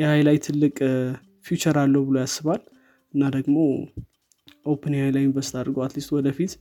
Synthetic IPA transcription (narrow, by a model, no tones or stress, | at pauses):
jɛhajlajt̪ʰɨlːɨkʼ | fjut͡ʃəɾalːəwbɨlojasːɨβal | ɨnːad̪əɡmo̞ | ʔopʰənehajlajɪnvəst̪ad̪ɾɡoat̪list̪wɔd̪əfit̪